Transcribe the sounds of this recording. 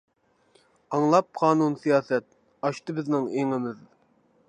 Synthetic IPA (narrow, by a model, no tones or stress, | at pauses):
ɑŋlˠɑp̚qʰɑːnunsijɑːsɛt̪̚ | ɑʃt̪ɨbɪznɪŋeŋɪmɪð